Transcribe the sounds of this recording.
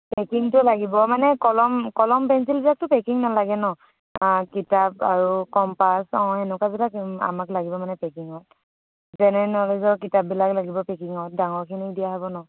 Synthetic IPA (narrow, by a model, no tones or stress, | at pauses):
pɛkiŋtʊlaɡibɔmanɛkɔlɔmkɔlɔmpɛnsilbilak̚tʊpɛkiŋnalaɡɛnɔ | kitap̚aɹukɔmpasɔ̃hɛnʊkabilaka̰maklaɡibɔmanɛpɛkiŋɔt̚ | zɛnɛnɔɦlɛzɔkitap̚bilaklaɡibɔpɛkiŋɔt̚daŋɔɹkʰinidijaɦɔbɔnɔ